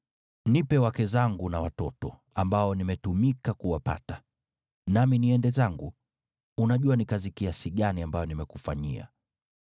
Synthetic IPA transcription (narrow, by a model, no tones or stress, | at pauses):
nipɛwakɛzaŋɡunawatɔtɔ | ambaɔnimɛtumikakuwapa̰ta | naminiɛndɛzaŋɡu | unaʄuanikazikiasiɠaniambajɔnimɛkufa̰ɲḭa̰